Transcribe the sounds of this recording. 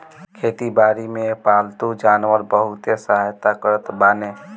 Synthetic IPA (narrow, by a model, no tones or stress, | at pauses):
kʰeːt̪ibaːɾimẽpaːlt̪ud͡ʒaːnʋəɾbəɦʊt̪esəɦaːjt̪akəɾət̪baːne